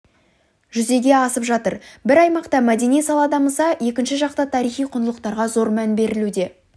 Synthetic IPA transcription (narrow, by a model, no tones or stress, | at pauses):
ʒʏze̞ɡʲe̞ɑsəpʒɑt̪əɾbɪɾɑjmɑqt̪ɑmæd̪e̞nijsɑlˠɑd̪ɑməsɑje̞kʲɪnʃɪʒɑqt̪ɑt̪ʰɑɾijχijqʰʊnəlˠəq̚t̪ɑɾʁɑzo̞ɾmænbe̞ɾɪlud̪e̞